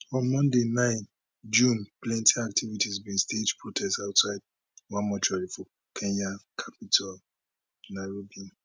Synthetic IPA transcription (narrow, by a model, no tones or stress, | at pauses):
ɔ̃nmɔ̃ndenãɪ̃n | d͡ʒũnplɛ̃ntʰiak̚tʰivitizbĩnsted͡ʒpɹotʰɛstaʊtsaɪd̚ | wãmɔt͡ʃɔlifɔ | kʰɛ̃nakʰapitʰal | naɹobiɔ̃n